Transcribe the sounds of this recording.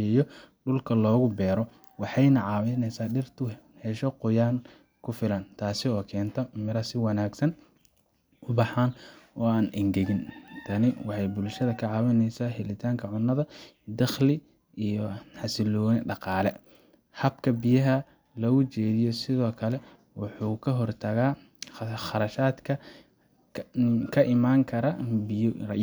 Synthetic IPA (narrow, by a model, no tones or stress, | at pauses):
ɛjɔɖʊlkʰɐlɔːɣʊbɛːɾɔ | wɑħɑjnɐʕɑːwɪnɛsaːɖɪrt̪ʰʊ | hɛʃɔqʊjaːn | kʰʊfɪlɐnt̪ʰaːsɪɔːkʰɛːnt̪ʰɔmɪɾɐsɪwɑnaːɡsɐn | ʊbɑħaːnɔːaːnʔɪŋɡɛɣɪnt̪ʰɐnɪwɑħɑjbʊlʃɐðɐkʰɐʕɑːwɪnɛjsaːɦɛlɪt̪ʰaːŋkʰɐʕʊnːɐðɐd̪ɐχlɪ | ijɔħɑsɪlɔːnɪɖɑqɑːlɛ | hɐbkʰɐbijɐɦɐ | lɔɣʊt͡ʃɛːðɪjɔsɪðɔːkʰɐlɛ | wɑħuːkʰɐɦɔrt̪ʰɐɣaː | ɑɾɐʃaːd̪kʰɐ | kʰɐʔɪmaːŋkʰɐɾɐbɪrɐ